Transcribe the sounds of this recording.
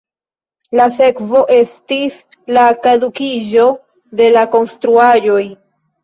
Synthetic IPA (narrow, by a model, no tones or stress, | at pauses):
lase̞kvo̞ʔe̞stis | lakadukiʒo̞ | de̞lako̞nstɾuaʒo̞j